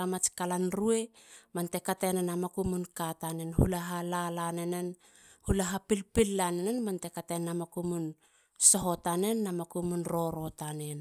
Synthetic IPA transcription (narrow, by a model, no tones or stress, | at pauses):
amat͡ʃkalanɾue̞mante̞katenenamakumunkatanenhulaɦalalanenen | hulaɦapilpilːanenenmante̞katenːamakumun | so̞ɦo̞tane̞nːamakumunɾo̞ɾo̞tanen